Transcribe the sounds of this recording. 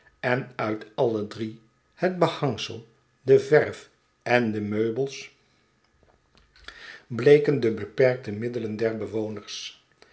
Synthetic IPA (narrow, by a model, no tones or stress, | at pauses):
ɛnœɥtɑlədri | həd̚bəhɑŋsə̰lˠ | dəvɛɹf | ɛndəmøɥbəlˠs | blejkəndəbəpɛɹk̚təmɪdələndɛɹbəʋownəɹs